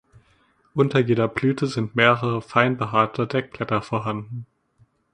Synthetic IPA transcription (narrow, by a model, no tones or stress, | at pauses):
ʔʊntɐjeːdɐblyːtʰəzɪntmeːʁəʁəfaɪnbəɦaːtʰɐdeːɐkl̥ɛtɐfoːɐɦandn̩